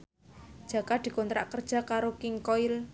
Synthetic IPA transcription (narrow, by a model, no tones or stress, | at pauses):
d̥ʒ̥a̤kad̪̥i̤kɔnt̪ɾa̰ʔkərd̥ʒ̥a̤kaɾokɪŋkɔɪl